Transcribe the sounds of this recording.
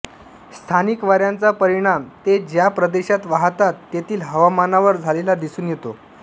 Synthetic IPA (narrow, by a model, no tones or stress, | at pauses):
st̪ʰanikʋaɾjant͡sapəɾiɽ̃amt̪ed͡ʑjapɾəd̪eɕat̪ʋaɦt̪at̪ːet̪iːlɦəʋamanaʋəɾd͡zʱalelad̪isuːnjet̪o